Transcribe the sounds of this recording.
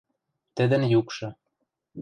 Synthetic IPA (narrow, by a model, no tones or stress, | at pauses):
t̪ɘ̆d̪ə̆njukʃɤ̆